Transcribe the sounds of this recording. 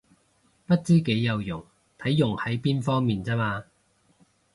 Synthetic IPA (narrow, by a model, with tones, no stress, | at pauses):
pɐ˥t̚t͡siː˥ke˨˥jːɐ˨˧wjʊ˨˩ŋ | t̪ʰɐ˨˥jːʊ˨˩ŋhɐ˨˥jpiː˥nfɔː˥ŋmiː˨nt͡sɛː˥maː˧